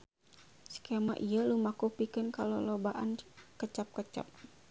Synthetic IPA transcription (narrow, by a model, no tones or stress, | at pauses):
skema̰ʔijəlumakupikənkalolɔbaʔankət͡ʃap̚kət͡ʃa̰p̚